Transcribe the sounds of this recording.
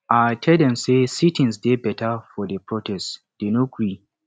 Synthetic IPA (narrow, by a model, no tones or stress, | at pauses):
ʔatʰɛldɛ̃msesitĩnsdebɛtafɔdepɹɔtʰɛs | d̥enokɹi